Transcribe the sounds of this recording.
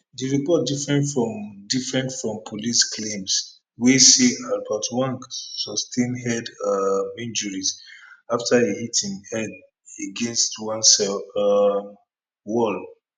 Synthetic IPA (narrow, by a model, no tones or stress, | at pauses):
diɹipɔt̚difɹɛ̃ndfɹɔ̃mdifɹɛ̃ntfɹɔ̃mpʰolisklẽms | wisiabaʊtʰwãnsɔstʰẽnɦɛdmĩnd͡ʒuɹizaftʰaehitʰĩŋɛd | eɡɛ̃nstwãnsɛ | wɔl